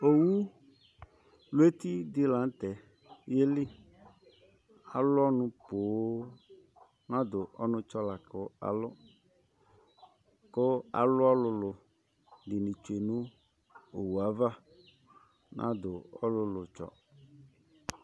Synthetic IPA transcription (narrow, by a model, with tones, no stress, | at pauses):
o˨wu˦ | lʊ˦e˦t̪i˦d̪ɪ˦la˨˦n̩˦t̪ɛ˨ | je˦lɪ˦ | a˨lʊ˦ɔ˦nʊ̃˨poː˨˦ | nã˦d̪ʊ˨ʔɔ˦nʊ̃˦t͡ʃɔ˦la˨kʊ˦a̰˨lʊ˦ | kʊ˦a̰˨lʊ˦ɔ˦lʊ˨lʊ˨ | dɪ˨nĩ˨t͡ʃu˨e˨nʊ̃˦ | o˨wu˨a˨va˦ | nʔã̰˦d̪ʊ˨ɔ̰˦lʊ˨lʊ˨t͡ʃɔ̰˦